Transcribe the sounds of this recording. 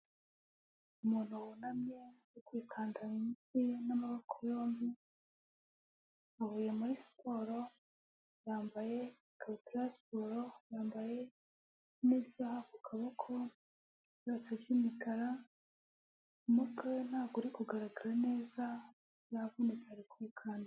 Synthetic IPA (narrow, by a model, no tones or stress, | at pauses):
umuːn̥huwunamɲejukwiːkʰaːndaiikijenamaβokʰojo̞ːmbi | ahojamaɾispoɾo | jaːmbaje̞ | kʰaβtiɾaspoɾojaːmbaje̞ | nisahakukʰaβakʰo | jasavjimikʰaɾa | umuskoen̥haːɡɡuɾikuɡaɾaɡaɾane̞ːza | javunet͡seaɾikwiːkʰaːnda